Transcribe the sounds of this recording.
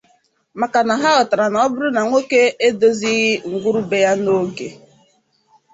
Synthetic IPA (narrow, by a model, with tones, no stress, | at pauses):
ma˨ka˨na˨ɦa˦ɣɔ˨ta˨ɾa˨nɔ˨ɔ˦bʊ˦ɾʊ˦na˨ŋʷe˦ke˦e˦do˦zi˦ɣi˦ŋ̩˨ɡʷu˦ɾu˦be˦ja˦no˦ɡe˨